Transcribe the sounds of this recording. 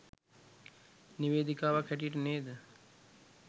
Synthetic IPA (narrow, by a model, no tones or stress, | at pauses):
niʋeːd̪ikaːʋakʰːæʈijəʈəneːd̪ə